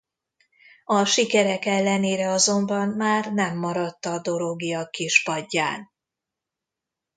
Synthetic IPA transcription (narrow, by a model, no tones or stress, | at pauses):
ɒʃikɛɾɛkɛlːɛneːɾɛɒzo̞mbɒnmaːrnɛmːɒɾɒt̪ːɒd̪o̞ɾoɡiɒkiʃpɒɟːa̰ːn